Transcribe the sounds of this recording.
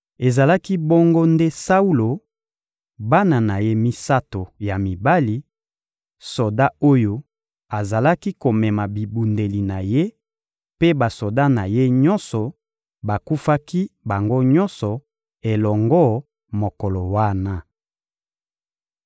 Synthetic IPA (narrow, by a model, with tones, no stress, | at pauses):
e˨za˨la˦ki˦bo˦ŋɡo˦nde˦sa˦u˦lo˨ | ba˦na˨na˨je˦mi˦sa˦to˨ja˨mi˨ba˦li˦ | so˨da˦o˦jo˦ | a˨za˨la˦ki˦ko˨mɛ˨ma˨bi˨bu˨nde˨li˨na˨je˦ | pe˦ba˨so˨da˦na˨je˦ɲɔ̃˦nsɔ˨ | ba˨ku˦fa˦ki˦ba˨ŋɡo˦ɲɔ̃˦nsɔ˨ | e˨lɔ˨ŋɡɔ˦˨ | mo˨kɔ˨lɔ˨wa˦na˦